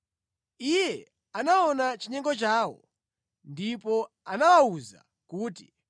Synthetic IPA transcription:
ijɛ | anaɔnat͡ʃiɲɛŋɡɔt͡ʃaːwɔ̰ | ndipɔ | anawauza̰ | kuːti

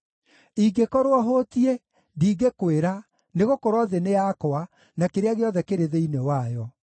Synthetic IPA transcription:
iɡekɔɾwɔɦotie | ndiːɡekweɾa | neɣokoɾwɔðeneakoa | nakeɾeaɣeɔðɛkeɾeðeinewajɔ

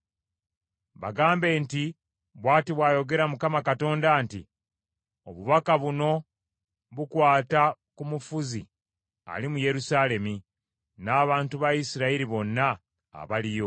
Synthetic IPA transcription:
βa̰ɡaːmbe̞ːnti | βwaːtiβwaːjo̞ɡe̞ɾamukamakato̞ːndaːntḭ | o̞βuβakaβuno̞ | βukwaːta | kumufuzi | a̰limuje̞ɾusaːle̞mi | naːβaːntuβajisiɾaiɾiβo̞nːa̰ː | βalijo̞

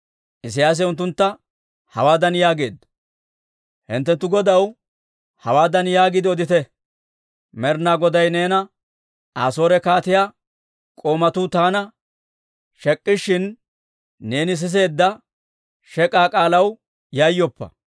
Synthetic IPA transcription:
ʔɪs̬ɪjaːs̬ɛʊnt̪ːʊnt̪ːɐ | hɐ̰waːd̪ɐnjaːɡe̞ːd̪ | hɪnt̪ːɛnt̪ːʊɡɔd̪ɐw | hɐwaːd̪ɐnjaːɡɪd̪ɪɔd̪ɪt̪ɛ | mɛɾnaːɡɔd̪ɐjne̞ːnɐ | a̰ːso̞ːɾɛkaːt̪ɪjaː | kʼo̞ːmɐt̪ʊt̪aːnɐ | ʃɛkʼːɪʃːɪnː | e̞ːnɪs̬ɪs̬e̞ːd̪ːɐ | ʃɛkʼaːkʼaːlɐw | jajːɔpːɐ̰

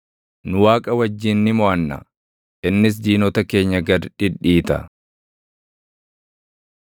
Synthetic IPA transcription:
nʊwaːkʼɐwɐd͡ʒːɪnːɪmɔʔɐnːɐ̰ | ʔɪnːɪs̬d͡ʒiːnɔt̪ɐke̞ːɲːɐɡɐd̪ᶑɪᶑiːt̪ɐ̰

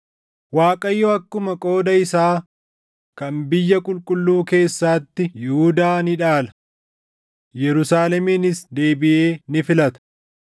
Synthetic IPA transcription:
waːkʼɐjːɔɐkːʊmɐkʼo̞ːd̪ɐɪsaː | kɐmbɪjːɐkʼʊlkʼʊlːuːke̞ːsːaːt̪ːɪjɪhʊd̪aːnɪᶑaːlɐ̥ | jɛɾʊsaːlɛmiːnɪsd̪e̞ːbɪʔe̞ːnɪfɪlɐt̪ɐ̥

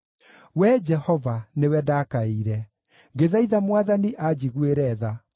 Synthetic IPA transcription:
wɛd͡ʒɛhɔvanewɛdakaiɾɛ | ŋɡeðaiðamwaðaniʔad͡ʑiɣweɾɛða

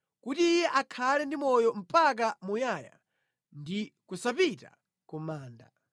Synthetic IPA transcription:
kutiːjɛʔakʰalɛndimɔjɔm̩pak̬amujaja̰ | ndikusapita̰ | kumaːnda

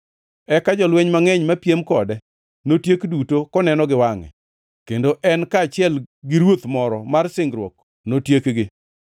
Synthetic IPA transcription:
ɛkad͡ʒɔlweɲmaŋɛɲmapjemkɔdɛ | notjekdutokɔnɛnɔɡɪwaŋɛ̰ | kendoʔɛnkaːt͡ʃɪɛlɡɪɾwot̪mɔɾɔmarsɪŋɡɾwɔk̚ | notjekɡɪ

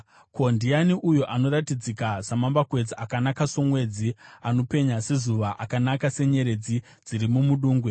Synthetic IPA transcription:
ko̞ndianiʔujoʔano̞ɾatid͡zikasamambakwe̞d͡ziakanakaso̞mwe̞d͡ziano̞pe̞ɲase̞zuʋaʔakanakase̞ɲe̞ɾe̞d͡zi | d͡ziɾimumuɗuːŋɡwe

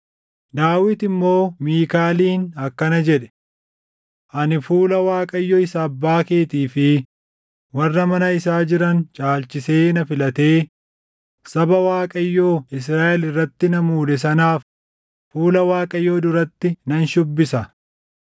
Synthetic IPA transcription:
d̪aːwɪt̪ɪmːo̞ːmiːkaːliːnɐkːɐnɐd͡ʒɛᶑɛ̥ | ʔɐnɪfuːlɐwaːkʼɐjːɔɪsaːbːaːke̞ːt̪iːfɪ | wɐrːɐmɐnɐɪsaːd͡ʒɪɾɐnt͡ʃʼaːlt͡ʃːɪse̞ːnɐfɪlɐt̪e̞ː | sɐbɐwaːkʼɐjːoːɪs̬ɾaːʔɛlɪrːɐt̪ːɪnɐmuːd̪ɛs̬ɐnaːfː | uːlɐwaːkʼɐjːo̞ːd̪ʊɾɐt̪ːɪnɐnʃʊbːɪsɐ

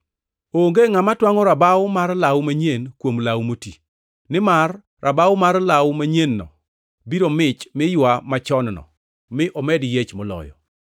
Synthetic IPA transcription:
oŋɡeŋamatwaŋɔɾabawʊmarlawmaɲenkwomlawmoti | nɪmarː | ʔabawmarlawmaɲenːɔ̰ | biɾomɪt͡ʃmɪjwamat͡ʃɔnnɔ̰ | mɪʔɔmɛdjet͡ʃmɔlɔ̰jɔ̰

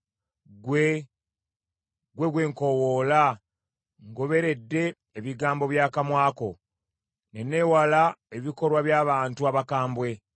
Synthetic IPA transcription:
ɡwe | ɡwe̞ɡwe̞ːŋko̞woːla | ŋɡoβe̞ɾe̞dːe̞ː | βiɡaːmbo̞βjaːkamwaːko̞ | ne̞ne̞ːwalae̞βiko̞ɾwaβjaːβaːntuaβakaːmbwe̞

